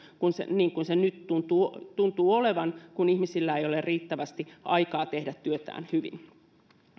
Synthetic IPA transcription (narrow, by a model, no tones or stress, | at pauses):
kunsḛniːŋkunsenyt̪t̪unt̪uːt̪unt̪uːoleʋɑnkunihmisilːæejolerriːt̪ːæʋæst̪iʔɑ̰ikɑːt̪ehdæt̪tyøt̪æ̰ːnhyʋḭn